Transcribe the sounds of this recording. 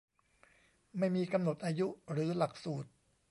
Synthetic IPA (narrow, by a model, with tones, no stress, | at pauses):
ma˥˩jmiː˧ka˧mno˨˩t̪̚ʔaː˧ju˦˥ɾɯː˩˦la˨˩k̚suː˨˩t̪̚